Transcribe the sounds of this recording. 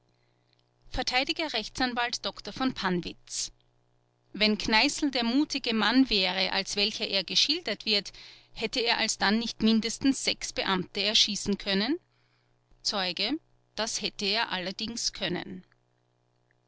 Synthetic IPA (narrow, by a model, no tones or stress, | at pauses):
fɛɐtʰaɪdɪɡɐʁɛçt͡sanvaltd̥ɔktɐfɔnpʰanvɪt͡s | vɛnkʰnaɪsl̩deːɐmuːtɪɡəmanvɛːʁəʔa̰lsv̥ɛlçɐʔeːɐɡəʃɪldɐtv̥ɪɐthɛtəeːɐʔalsd̥anːɪçtmɪndəstn̩sz̥ɛksb̥əʔamtəɛɐʃiːsn̩kʰœnən | t͡sɔʏɡə | d̥ashɛtəeːɐʔalɐdɪŋskʰœnə̰n